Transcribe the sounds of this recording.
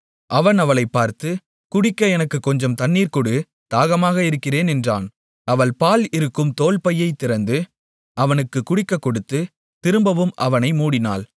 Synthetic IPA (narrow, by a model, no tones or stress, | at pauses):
ʔɐʋɐnɐʋɐɭɐɪpːaːɾt̪ɯ | kʊɽɪkːɐɛnɐkːɯkːɔɲd͡ʒɐmt̪ɐnːiːɾkɔɽɯ | t̪aːɣɐmaːɣɐɪɾɯkːɪreːnɛndra̰ːn | ɐʋɐɭpaːlɪɾɯkːɯmt̪oːlpɐjːɐɪt̪ːɪɾɐnd̪ɯ | ʔɐʋɐnɯkːɯkːʊɽɪkːɐkːɔɽɯt̪ːɯ | t̪ɪɾɯmbɐʋɯmʔɐʋɐnɐɪmuːɽɪna̰ːl